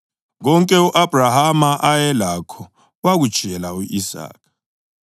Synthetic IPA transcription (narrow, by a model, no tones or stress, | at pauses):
ɣɔŋkʼɛuʔab̥ʱrahamaʔajɛlakʰɔ | waɣud̥ʒ̥ʱɛlauʔisa̰ːk̚ʰʼa